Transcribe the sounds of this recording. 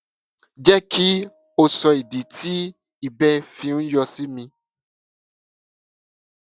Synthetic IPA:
d͡ʒɛ˦ki˦ | o˦sɔ˧i˨di˨ti˦ | i˨bɛ˦fĩ˧ŋ̩̃˦jɔ˧si˦mĩ˧

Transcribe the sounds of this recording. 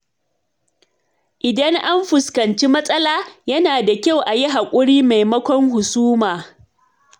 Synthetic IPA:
ʔɪ˨dɐ˦ŋʔa˦mɸʊ˨skɐ˨nt͡ʃi˦mɐ˦sʼɐ˦laː˦jɐ˦naː˨da˨kʲa˦˨wʔa˨ji˦ɦa˨kʷʼʊ˦ɽiː˦ma˨jmɐ˦kʷɔ˦ŋhʊ˨suː˦maː˨

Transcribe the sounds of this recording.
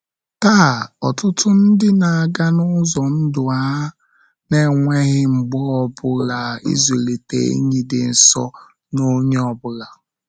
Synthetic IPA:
ta˦˨ɔ˨tʊ˦tʰʊ˦n̩˦dɪ˦na˨a˨ɡa˦nʊ˦zɔ˨n̩˦dʊ˨a˦ | ne˦˨ŋʷe˦ɣɪ˦ŋ͡m̩˨ɡ͡bɔ˦ɔ˨bʊ˦la˨ḭ˦ze˨le˨tḛ˨ḭ˦ɲi˦dɪ˨n̩˨sɔ̰˦ | no˦ɲe˦ɔ˨bʊ˦la˨

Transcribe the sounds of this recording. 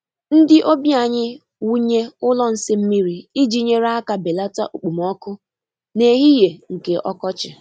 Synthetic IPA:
n̩˦dɪ˦ʔo˦bja˦˨ɲɪ˦ | wu˦ɲe˦ʊ˦lɔ˦n̩˦sɪ˦m̩˦mi˦ɾi˨i˦d͡ʒi˦ɲe˦ɾa˦a˦ka˨be˨la˦ta̰˦ʔu˨k͡pu˨m˨ɔ˦kʊ˦ | ne˨ɦi˦je˨ŋ̩˨ke˨ʔɔ̰˦kɔ˦t͡ʃɪ˨

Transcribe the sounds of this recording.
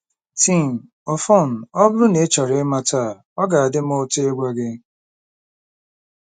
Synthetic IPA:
ti˦˨m˨ | ɔ˨fɔ˦˨n̩˨ɔ˦bʊ˦ɾʊ˦ne˨˦t͡ʃa˨ɾe˦ma˦taː˦˨ | ɔ˦ɡa˨a˨dɪ˦m˦ʊ˦te˦ɡʷa˦ɡɪ˦

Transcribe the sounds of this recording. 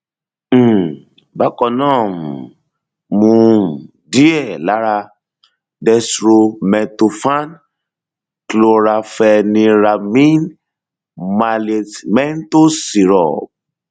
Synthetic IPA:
ba˦kɔ˧nãː˦˨ | mũ˧ | di˦ɛ˦˨la˨˦ɾa˧ | dɛ˧sɾo˧mɛ̃˨to˧fa˦n | klo˧ɾa˧fɛ˧nĩ˧ɾa˨mĩ˦n | ma˧le˧tmɛ˦n˦to˦si˨ɾɔ̰˨

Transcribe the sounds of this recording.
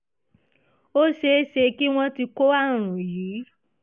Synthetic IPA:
o˦ʃe˧˦ʃe˧ki˦w̃ɔ̃˦ti˧ko˦a˦˨ɾ̃ũ˨jiː˨˦

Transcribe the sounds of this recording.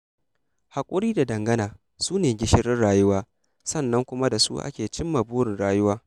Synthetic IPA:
ha˨kʷʼʊ˦ɾiː˦da˨dɐ˨ŋɡɐ˦naː˨ | suː˦neː˨ɡʲɪ˦ʃɪ˦ɾɪ˦nɽaː˨jʊ˦waː˦ | sɐ˦˨nːɐ˦ŋkʷʊ˦ma˦da˨sṵ˦ʔa̰˦kʲeː˨t͡ʃɪ˦mːa˨buː˦ɾɪ˨nɽaː˦jʊ˦waː˦

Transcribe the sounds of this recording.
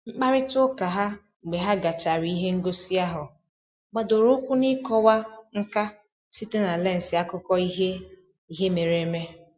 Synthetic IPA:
ŋ͡m̩˦k͡pa˦ɾɪ˦tʊ˦ka˨ɦa˦ | ŋ͡m̩˨ɡ͡be˨ɦa˦ɡa˨t͡ʃa˨ɾi˨˦i˦ɦe˦ŋ̩˦ɡo˦si˦a˦ɦʊ˨ | ɡ͡ba˨do˨ɾʊ˦kʷu˦nɪ˦kɔ˦wa˦ŋ̩˦ka˦ | si˦te˦na˨le˦n̩˨si˨a˦kʊ˦kɔ˦i˦ɦe˦ | i˦ɦe˦me˨ɾe˨˦me˦

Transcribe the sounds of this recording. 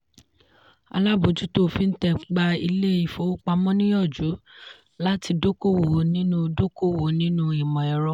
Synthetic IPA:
a̰˧la˦˨bo˨d͡ʒu˦to˦˨fi˨˦n̩˦tɛ˧ɡ͡ba˧i˧le˦i˨fo˨˦o˦k͡pa˧mɔ̃˦nĩ˦jɔ˦˨d͡ʒu˨˦ | la˦ti˧do˦ko˦wo˨˦nĩ˦nũ˦˧do˦ko˦˨wo˨nĩ˦nũ˦i˨mɔ̃˨ɛ˨ɾɔ˧

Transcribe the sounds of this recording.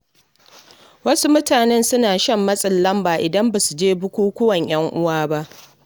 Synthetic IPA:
wɐ˦su˦mʊ˦taː˨nɛ˦nsʊ˦naː˨ʃɐ˦˨mːɐ˦sʼɐ˨lːɐ˦mbaː˨ʔɪ˨dɐ˦mba˨su˨d͡ʒeː˦bʊ˦kʷuː˦kʷʊ˦wɐ˨ɲj̰ɐ˦ŋʔʊ˦waː˦ba˦ʔ

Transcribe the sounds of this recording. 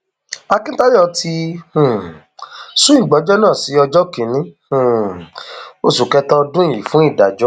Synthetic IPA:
a˧kĩ˦ta˦ɾi˦ɔ˧ti˧hũ˨ | sũ˦i˦˨ɡ͡bɔ˨˦d͡ʒɔ˦nãː˦˨si˨˦ɔ˧d͡ʒɔ˦ki˨˦nĩ˨˦hũ˨ | o˨su˨kɛ˦tɔ˦dũ˦˨i˨fũ˨˦i˦˨da˨d͡ʒɔ˦

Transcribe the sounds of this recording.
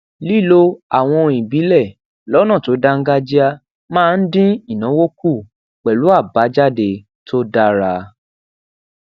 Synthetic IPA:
li˦lo˧a˨w̃ɔ̃˧ĩ˨bi˨˦lɛ˦˨ | lɔ˨˦nã˦˨to˨˦da˦ŋ̩˦ɡa˦d͡ʒi˦a˦ | mãː˦˧n̩˦dĩ˦i˦˨nã˨˦wo˦ku˦˨ | k͡pɛ˨lu˨˦a˦˨ba˨˦d͡ʒa˦˨de˧ | to˦da˦ɾa˧

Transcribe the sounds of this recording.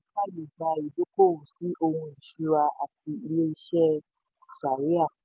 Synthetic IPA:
ka˦le˨d͡ʒa˧i˨do˦ko˦˨u˨si˨˦ʔo˧hũ˧i˨ʃu˦ɾa˧a̰˨ti˧i˧le˦i˧ʃɛ˦˨ | sa˨ɾi˦a˦˨

